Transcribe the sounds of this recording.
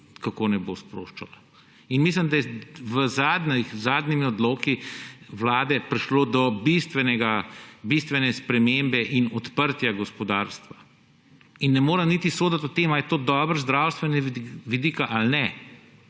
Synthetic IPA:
kakoːnɛbospɾo̰ːʃt͡ʃala | inmis̬limd̪ajɛʋəzaːd̪nixzaːd̪nimiɔd̪loːkiʋlaːd̪ɛpɾiʃloːd̪ɔbist̪ʋɛnɛɡabist̪ʋɛnɛspɾɛmembɛʔinɔt̪pəɾt̪jaɡɔspɔd̪aːɾst̪ʋa | inːɛmoːɾɛmnit̪isoːd̪at̪ot̪eːmajɛt̪oːd̪ɔːbəɾzd̪ɾawst̪ʋɛniʋid̪iːkaʔalnɛ

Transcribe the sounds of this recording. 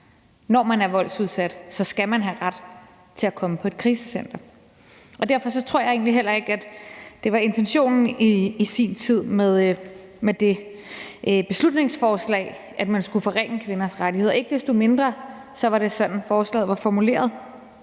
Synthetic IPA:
nɒmænæɐʋɒ̽l̰suð̞ˠsæd̥sɒ̽sɡ̥æmænɦæʁad̥ | t͡sʰe̝lækʰɒ̽məpʰɒ̽e̝d̥̚kʰʁiːsəsen̰d̥ɐ | ʔɒ̽d̥æɐfɒ̽sɒ̽t͡sʰʁo̝ɐ̰jɑ̈e̝̰ːnliɦel̰ɐe̝ɡ̥æd̥d̥e̝ʋɑ̈e̝nt͡sʰenɕo̝̰ːnn̩iisint͡sʰið̰ˠmeðˠmed̥e̝ | ʔb̥e̝slud̥ne̝ŋsfɒːslɛ̰ɪ | ʔæd̥mænsɡ̥ufɒ̽ʁeŋ̰əkʰʋe̝nɐsʁaɾiɦe̝ð̰ˠe̝ɡ̥d̥e̝sd̥o̝me̝nd̥ʁɐsɒ̽ʋɑ̈ɾ̥e̝sɒ̽d̥n̩fɒːslɛ̰ːð̩ˠʋɑ̈fɒmule̝̰ːɐðˠ

